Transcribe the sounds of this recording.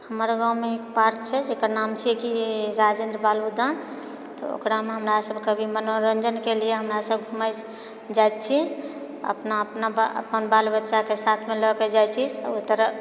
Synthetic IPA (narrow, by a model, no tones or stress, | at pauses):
həməɾɡãwmeekpaɾk̚t͡ʃʰɛd͡ʒekəɾnamt͡ʃʰikiɾad͡ʒẽnd̪ɾəbalud̪ʱən | t̪ɔ̰o̰kɾameɦəmɾasəbkəbʱimənoɾənd͡ʒənkelieɦəmɾasəbɡʱumə | d͡ʒajt̪t͡ʃʰi | ə̰pnaəpnaə̰pənbalbətːʃakesat̪ʰmelɔked͡ʒajt͡ʃʰit͡ʃʰut̪ːəɾ